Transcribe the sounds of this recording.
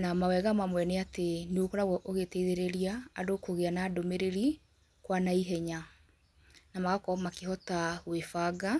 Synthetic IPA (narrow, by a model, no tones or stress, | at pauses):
namawɛɣamamwɛneateneokɔɾaɣɔʔoɣetɛiðeɾeɾiaːdokoɣeanaːdomeɾeɾi | kwanaiɦɛɲa | namaɣakɔmakeɦɔtaɣwefaɡa